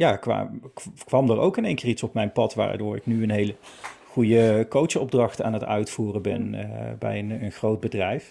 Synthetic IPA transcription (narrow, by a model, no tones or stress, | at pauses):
jaːkʋa̰kʋɑmdəɹo̰wkɪnejŋkɪːritsɔpmɛjnpɑtʋa̰ːdʊːɹɪ̰knyənɦejlə | χujəkowt͡ʃɔb̚drɑχta̰ːnətœ̰ɥtfuːrənbɛ̰nbɛ̰jənənχrowd̚bədrɛjf